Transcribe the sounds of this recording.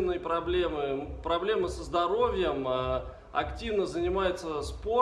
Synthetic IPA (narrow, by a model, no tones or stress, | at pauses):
vnəjpɾɐblʲe̞mɨpɾɐblʲe̞məsəzd̪ɐɾo̞vʲjəmə | ɐ̰ktʲivnəzənʲɪmajɪt̪səspo